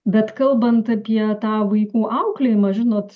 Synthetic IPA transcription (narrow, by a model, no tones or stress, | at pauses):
bʲɛt̪kɐlˠbɐnt̪ɐpʲiɛt̪ɑːʋɐɪkuːʔɐʊklʲejɪmɐːʒʲɪnoːt̪